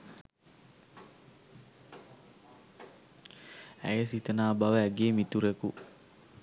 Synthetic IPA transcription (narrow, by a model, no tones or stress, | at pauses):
æ̰jəsit̪ənaːbaʋəæɡeːmit̪uɾeku